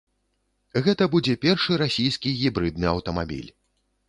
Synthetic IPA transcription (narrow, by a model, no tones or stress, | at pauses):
ɣɛt̪ɐbud͡zʲɛpʲɛrʂɨɾasʲijskʲiɣʲibɾɨd̪nɨɐwt̪ɐma̰bʲḭlʲ